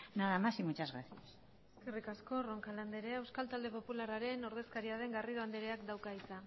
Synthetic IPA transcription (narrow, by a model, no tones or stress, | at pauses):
naðamasimut͡ʃazɣɾa̰θias | eskerikasko̞roŋkaland̪eɾeaewskalt̪ald̪e̞po̞pulaɾaɾe̞no̞ɾðe̞skaɾiaðe̞ŋɡariðoand̪eɾeakd̪awkaisa